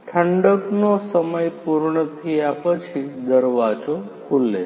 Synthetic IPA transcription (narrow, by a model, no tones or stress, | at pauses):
ʈʰəɳɖəknosəməjpuɾɳət̪ʰiapət͡ʃʰid̪əɾʋad͡ʒokʰulːe